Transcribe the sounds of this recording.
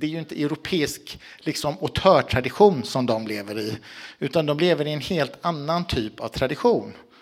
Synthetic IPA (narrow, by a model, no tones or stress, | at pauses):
d̪ɛæjɵɪnt̪əʔɛʊɾʊpʰeːɪsk | lɪksɔmʊt̪ʰœːʈʰɾad̪ɪɧuːnsɔmd̪ɔmleːvəɾɪʉ̟ːt̪and̪ɔmleːvəɾɪɛnheːlt̪anːant̪ʰyːpa̰vt̪ʰɾad̪ɪɧuːn